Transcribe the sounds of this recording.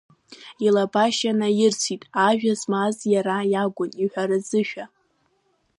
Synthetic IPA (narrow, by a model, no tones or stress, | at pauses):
ilabaʃanajɪrt͡sʷʰitʼaʒᶣazmazjaɾajaɡʷʊniħʷᶣaɾɨzɨʃᶣa